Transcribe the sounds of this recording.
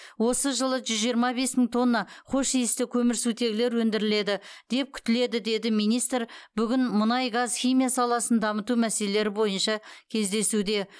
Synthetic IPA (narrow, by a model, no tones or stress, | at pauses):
wo̞səʒəlˠəʒʏzʒijəɾmɑbe̞smɪŋt̪ʰo̞nːɑqʰo̞ʃijɪst̪ɪkʲʰɵmɪɾsut̪e̞ɡʲɪle̞ɾwɵnd̪ɪɾɪle̞d̪ɪd̪̥e̞p̚kʲʰʏ̥t̪ɪle̞d̪ɪd̪e̞d̪ɪmijnijst̪ɾbʏɡʲɪnmʊnɑjɡɑzχʲijmijasɑlˠɑsənd̪ɑmət̪umæselele̞ɾɪbo̞jənʃɑkʲʰe̞zd̪e̞sud̪e̞